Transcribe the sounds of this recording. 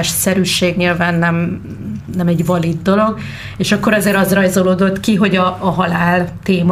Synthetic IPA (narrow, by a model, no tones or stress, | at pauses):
ʃsɛɾyʃeːɡɲilvaːnːɛm | nɛmɛɟvɒlid̪ːo̞lo̞ɡ | eːʃɒkːo̞ɾɒzeːɾɒzrɒjzoloːd̪o̞t̪kiɦo̞ɟɒːɦɒlaːlt̪eːm